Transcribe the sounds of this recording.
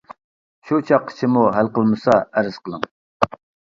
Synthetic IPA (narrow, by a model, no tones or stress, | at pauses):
ʃot͡ʃʰɑqːə̥t͡ʃʰɪmuɦælqəlˠmɨsɑæɾɨz̥qʰəlˠəŋ